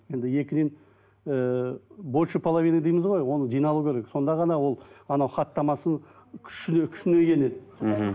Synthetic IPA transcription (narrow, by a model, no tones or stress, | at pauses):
je̞nd̪ɪje̞kʲɪd̪e̞n | əbolˠʃəpʰolˠavijnid̪ejmɪzʁo̞jwo̞nəd͡ʒijnɑlˠukʲʰeɾe̞kso̞nd̪ɑʁɑnɑwo̞lˠɑnɑwχɑt̪ːɑmɑsəɴ | kʲʰʏ̥ʃɪnekʲʰʏ̥ʃɪneɡʲe̞ned̪